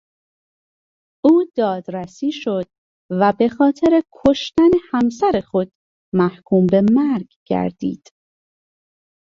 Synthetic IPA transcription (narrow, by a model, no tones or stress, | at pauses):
ʔuːd̪ɒːd̪ɾæsiːʃo̞d̪̥̚ | væbe̞xɒːt̪ʰe̞ɾekʰo̞ʃt̪ænehæmsæɾexo̞d̪̥̚ | mæhkʰuːmbe̞mæɾɡɡ̥æ̰ɾd̪̥ḭːd̪̥